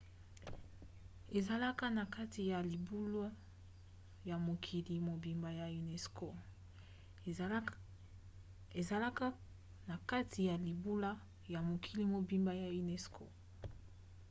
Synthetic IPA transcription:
e˨za˨la˦ka˦na˨ka˦ti˨ja˨li˨bu˦lo˦ | ja˨mo˨kʰi˨li˨mo˨bi˨mba˨ja˨i˨nɛ˨sko˦ | e˨za˨la˦ka˦ | na˨ka˦tʰi˨ja˨li˨bu˦la˦ | ja˨mo˨kʰi˨li˦mo˨bi˨mba˦ja˨i˨nɛ˨skʰo̰˦˨

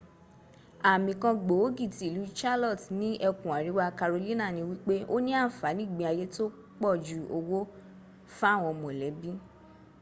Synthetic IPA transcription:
a˨mĩ˨kã˧ɡ͡bo˨o˦ɡi˦˨ti˨lu˨˦t͡ʃa˦lɔ˦˨tnĩ˦ʔɛ˧kũ˨a˨ɾi˨˦wa˦˧ka˧ɾo˧li˦nã˦˨nĩ˧wi˦k͡pe˦ʔo˦nĩ˦a˦˨fa˨˦nĩ˦˨ɡ͡bĩ˧a˨˧je˦to˦ | k͡pɔ˦˨d͡ʒu˦o˧wo˦ | fa˦˨w̃ɔ̃˧mɔ̃˨lɛ˨˦bĩ˦

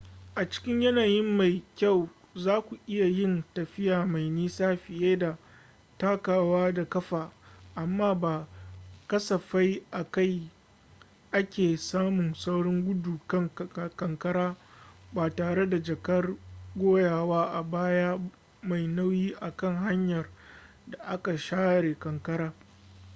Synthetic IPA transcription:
ʔa˨t͡ʃɪ̥˦kʲɪ˦ɲjɐ˦naː˨jɪ˦mːa˨jkʲa˦˨w | zaː˦kʷu˨ʔɪ˦ja˨jɪ˦ntɐ˨ɸɪ˦jaː˨ma˨jniː˦saː˦ɸɪ˨jeː˦da˨ | taː˦kaː˨waː˦da˨kɐ˦ɸaː˨ʔa˨mːaː˦baː˨kɐ˦sɐ˨ɸa˦jʔa˨ka˦˨j | ʔa˦kʲeː˨saː˦mʊ˨ŋsa˦wɽɔ˦ŋɡʷʊ˦duː˨kɐ˦ŋkɐ˨ŋkɐ˦ɽaː˦baː˨taː˨ɽe˦da˨d͡ʒɐ˨kɐ˦rɡʷoː˦jaː˨waː˦ʔa˨baː˦jaː˦ | ma˨jna˦wjiː˦ʔa˨kɐ˦ŋɦa˦ɲjɐ˨r | da˨ʔa˦ka˨ʃaː˦ɽeː˨kɐ˨ŋkɐ˦ɾaː˦

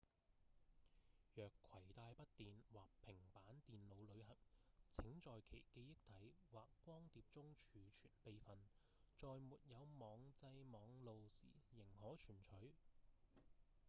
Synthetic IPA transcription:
jœː˨kʰːɐ˨˩jt̪aː˧jpɐ˥t̚t̪iː˨nwaː˨k̚pʰɪ˨˩ŋpaː˨˥nt̪iː˨nlo˨˧wlɵ˨˧ɥhɐ˨˩k̚t͡sʰɪ˨˥ŋt͡ʃɔː˨jkʰḛ˨˩jke˧jjɪ˥k̚t̪ʰɐ˨˥jwaː˨kːʷɔː˥ŋt̪iː˨p̚t͡sʊ˥ŋt͡ʃʰyː˨˧t͡ʃʰyː˨˩npe˧jfɐ˨n | t͡ʃɔː˨jmuː˨t̚jɐ˨˧wmɔː˨˧ŋt͡sɐ˧jmɔː˨˧ŋlo˨wsiː˨˩jɪ˨˩ŋhɔː˨˥t͡ʃʰyː˨˩nt͡ʃʰɵ˨˥ɥ

